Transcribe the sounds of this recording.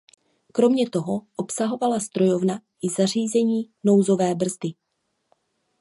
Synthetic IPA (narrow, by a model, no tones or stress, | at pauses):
kɾo̞mɲɛt̪o̞ɦo̞ʔopsaɦo̞valast̪ɾo̞jo̞vnaʔɪzar̝iːzɛɲiːno̞wzo̞vɛːbr̩zdɪ